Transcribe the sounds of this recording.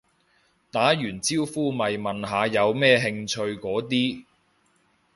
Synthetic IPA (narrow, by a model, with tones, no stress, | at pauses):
t̪aː˨˥jyː˨˩nt͡siː˥wfuː˥mɐ˨jmɐ˨nɦaː˨˧jɐ˨˧wmɛː˥ɦɪ˧ŋt͡ʃʰɵ˧ɥkɔː˨˥t̪̬iː˥